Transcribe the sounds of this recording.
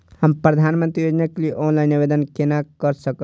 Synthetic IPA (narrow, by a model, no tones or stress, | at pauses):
həmpɾəd̪ʱanmə̃nt̪ɾijod͡ʒnaklieʔonlaɪnibed̪ənkenakəɾsəkə